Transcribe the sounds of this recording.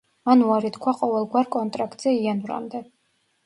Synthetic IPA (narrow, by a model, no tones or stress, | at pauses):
manuaɾit̪kʰwaqʼɔvɛlˠɡwaɾkʼɔnt̪ʼɾakʰʼt̪ʼz̥ɛianvɾa̰md̪ɛ